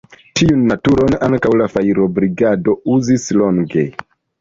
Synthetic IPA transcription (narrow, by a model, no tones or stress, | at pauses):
tʰiunːatuɾo̞naŋkawlafaiɾo̞bɾiɡado̞uzislo̞ŋɡe̞̰